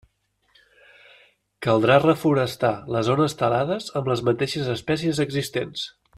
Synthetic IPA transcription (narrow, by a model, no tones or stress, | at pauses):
kəlˠd̪ɾarəfuɾəst̪aləzonəst̪əlaðəzəmləzmət̪eʃəzəspɛsiəzəɡzist̪ens